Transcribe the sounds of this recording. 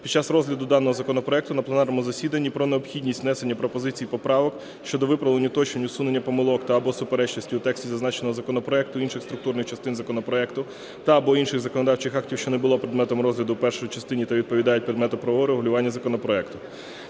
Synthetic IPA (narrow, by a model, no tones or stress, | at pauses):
pʲid̪t͡ʃɑsrɔzʲlʲɐd̪ʊd̪ɑnːɔɦɔzɐkɔnɔpɾɔɛk̚t̪ʊnɐplˠnɑɾnɔmʊzɐsʲid̪ɐnʲːipɾɔneɔpxʲidʲnʲisʲtʲnɛse̞nʲːɐpɾɔpɔzɪt͡sʲijːpɔpɾɑʋɔk | ʃt͡ʃɔd̪ɔʋɪpɾɐʋlˠenʲʊt̪ɔt͡ʃnenʲʊsune̞nʲːɐpɔmɪlˠɔkt̪ɐːbɔsʊpeɾɛt͡ʃnɔsʲtʲiut̪ɛksʲtʲizɐznɑt͡ʃenɔɦɔzɐkɔnɔpɾɔɛk̚t̪ʊinʃɪxst̪ɾʊkt̪uɾnɪxt͡ʃɐst̪ɪnzɐkɔnɔpɾɔɛkt̪ʊ | t̪ɐːbɔinʃɪɣzɐkɔnɔd̪ɑwt͡ʃɪxɑktʲiwʃt͡ʃɔnebʊlˠɔpɾed̪mɛt̪ɔmɾɔzʲlʲɐd̪ʊpɛrʃɔjit͡ʃɐst̪ɪnʲit̪ɐʋʲid̪̚pɔʋʲid̪ɑjʊt̚ʲpɾʲɪd̪mɛt̪ɔpɾɐʋɔɦɔɾeɦʊlʲʊʋɑnʲːɐzɐkɔnɔpɾɔɛkt̪ʊ